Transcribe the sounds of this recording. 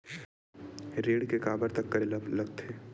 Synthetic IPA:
ɾeːɽkekaːbəɾt̪ɐkːɐɾelɐblɐɡ̚t̪ʰeː

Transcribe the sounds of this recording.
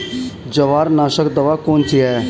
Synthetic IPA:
d͡ʒəʋaːɾnaːʃəkd̪əʋaːkoːnt̪ʰiɛː

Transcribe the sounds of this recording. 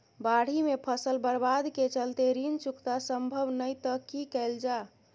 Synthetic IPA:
baɽ̤imepʰəsəlbəɾbad̪ket͡ʃəlt̪eɾint͡ʃukt̪asəmbʱəʋnəjt̪əkikəɪld͡ʒa

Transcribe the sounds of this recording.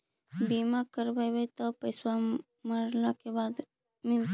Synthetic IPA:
bimakəɾbajbajt̪ɔpəjswa | məɾlakebad̪ | mɪlt̪

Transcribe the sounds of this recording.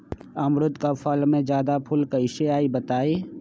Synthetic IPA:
əmɾʊd̪kafʰəlmẽd͡ʒjaːd̪apʰʊlkɐɪʃeaːibət̪aːeː

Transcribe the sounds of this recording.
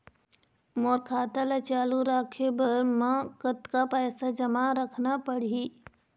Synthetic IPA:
moːɾkʰaːt̪alat͡ʃaːluɾaːkʰebəɾmãkət̪kapɛːsad͡ʒəmaɾəkʰnapəɽ̤i

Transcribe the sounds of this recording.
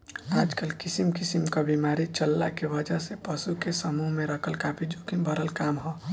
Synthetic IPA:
aːd͡ʒkəlkɪsimkɪsimkabimaɾit͡ʃəlːakeʋəd͡ʒaɦsepəsukesəmuɦmẽɾəkʰəlkapʰid͡ʒoːkibʱəɾəlkaːmɦoː

